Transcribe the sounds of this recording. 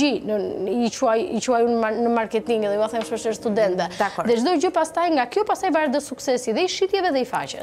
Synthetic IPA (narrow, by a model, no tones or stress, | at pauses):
inəit͡ʃuajit͡ʃuajunanəmaɾkɛt̪iŋɡɛðɛuaθɛmʃɔʃɛst̪ud̪ɛnt̪vɛd̪aðɛd͡ʒd̪ɔd͡ʒəpast̪ajŋɡakjɔpast̪ajvaɾd̪əsuksɛsiðɛiʃit̪jɛvɛðɛifa̰t͡ʃɛ̰s